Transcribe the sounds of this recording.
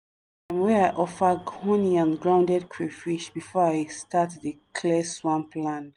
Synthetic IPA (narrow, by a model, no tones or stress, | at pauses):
ãmwɛɹaɪʔɔfəɡɔ̃niãnɡɹãʊ̃ndɛd̚kʰɹifiʃbifɔaɪstʰatðəkʰlɛswãmpʰlãn